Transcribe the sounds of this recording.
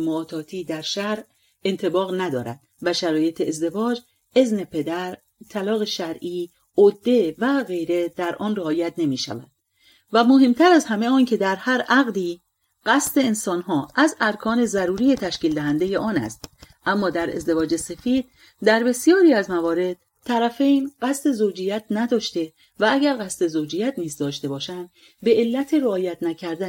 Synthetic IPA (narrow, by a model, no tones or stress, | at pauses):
moɒːt̪ʰɒːt̪ʰiːd̪æɾʃæɾ | e̞nt̪ʰe̞bɒːɣnæd̪ɒːɾæd̪̥ | væʃæɾɒːje̞t̪ʰeːzd̪e̞vɒːd͡ʒ | e̞zne̞pʰe̞d̪æɾ | t̪ʰælɒːɣe̞ʃæɾʔiː | od̪ːe̞væɣe̞jɾe̞d̪̥æɾʔɒːnreɒːjæt̪ne̞miːʃæ̰væ̰d̪̥̚ | væmoɦe̞mt̪ʰæɾæzhæme̞ɒːncʰe̞d̪æɾhæɾʔæɣd̪iː | ɢ̥æst̪e̞ːnsɒːnɦɒːʔæzæɾkʰɒːne̞zæɾuːɾije̞t̪ʰæʃciːld̪æɦænd̪e̞je̞ʔɒːnæ̰st̪ʔæmːɒːd̪æɾe̞̰zd̪e̞vɒːd͡ʒe̞se̞fiːd̪̥̚ | d̪æɾbe̞sijɒːɾiːæzmævɒːɾe̞d̪̥̚ | t̪ʰːæɾæfejnɢæst̪e̞zod͡ʒijæt̪ʰnæd̪ɒːʃt̪e̞ | vææɡæɾɣæst̪e̞zod͡ʒijæt̪ʰniːzd̪ɒːʃt̪e̞bɒːʃænd̪ | be̞elːæt̪ʰe̞ɾeːjæt̪ʰnæcʰæɾd̪æ